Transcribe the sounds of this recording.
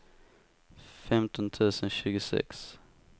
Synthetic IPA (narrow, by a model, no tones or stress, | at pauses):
fɛmt̪ʰɔnt̪ʰʉ̟ːsənɕʉ̟ːɡʊsɛ̰ks